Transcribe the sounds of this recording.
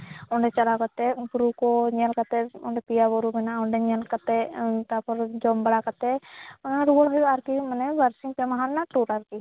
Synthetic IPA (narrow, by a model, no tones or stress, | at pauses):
ɔɳɖɛt͡ʃɐlakɔt̪ɛbɾukɔɲɛlkat̪ɛɔɳɖɛpijabɔɾubɛnaɔɳɖɛɲɛlkat̪ɛt̪apɔɾd͡ʒɔmbəɽakat̪ɛnɾuɔlɦɔjaɾkimɐnɛbaɾsiŋpɛmaɦaɾnaʈuɾaɾki